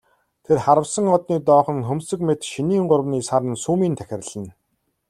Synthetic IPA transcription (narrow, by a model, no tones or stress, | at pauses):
t̪ʰerχaɾə̆wsə̆ŋɔt̪niːt̪ɔːχə̆ŋxɵmsɵ̆kmet̪ʃiniːɴɢʊɾ̆wniːsaɾə̆nsuːmiːnt̪ʰæxʲɪ̆rɮə̆n